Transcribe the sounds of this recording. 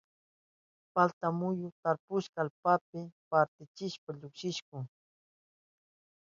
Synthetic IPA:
palt̪amʊjʊt̪aɾpʊʃkaaːlpapɪpaɾt̪ɪt͡ʃɪʃpaʎʊkʃɪʃkʊŋ

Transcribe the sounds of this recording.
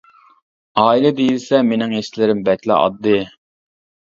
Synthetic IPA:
ɑːilɛd̪ejzɪsɛmenɪŋɦeʃlɪɾɪmbɛkʲlɪ̰ʔɑ̰d̪ːɨ

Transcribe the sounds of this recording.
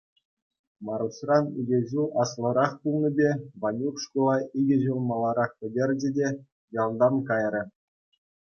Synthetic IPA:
mɑɾusrɑniɡʲĕʑuʔɑslˠɤ̆ɾɑχpulˠnʲibʲeʋɑnʲukʂkulˠɑiɡʲɘ̆ʑulˠmɑlˠɑɾɑχpʲɘ̆dʲerʲd͡ʑɘ̆dʲe | jɑlˠd̪ɑnkɑjrʲɘ̆

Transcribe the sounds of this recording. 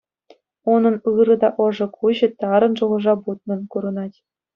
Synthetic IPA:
unɤ̆nɯɾɤ̆d̪ɑʔɤ̆ʐɤ̆kʰuʑɤ̆t̪ɑɾɤ̆nʐuʁɤ̆ʐɑbut̪̚nɤ̆nkuɾɤ̆nɑtʲ

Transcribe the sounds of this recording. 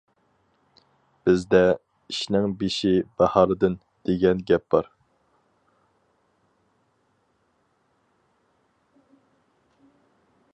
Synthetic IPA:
b̥ɪzd̪ɛ | iʃnɪŋbeʃibɑhɑːlɨd̪ɨn | d̪̥eɡʲɛnɡʲɛp̚bɑɾ

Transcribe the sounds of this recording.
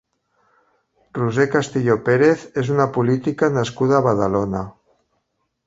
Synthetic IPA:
ruzekast̪iʎopeɾeθezunapulit̪ikanaskuð̞aːβað̞alona

